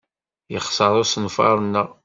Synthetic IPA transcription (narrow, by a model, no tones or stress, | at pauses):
jəχsəɾˤʊsənfɑ̰ɾˤənːəʁ